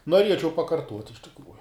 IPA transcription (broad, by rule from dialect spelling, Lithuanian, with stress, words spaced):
noːˈrʲiɛt͡ʃʲɛʊ pɐkɐrˈtuɔtʲ ɪʃ tʲɪkˈruːjʊ